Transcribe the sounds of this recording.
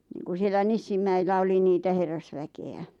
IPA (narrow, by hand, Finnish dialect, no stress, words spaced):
niːŋku sielæ nisːimːæilːæ oli niːtæ herːɑsʋækeæ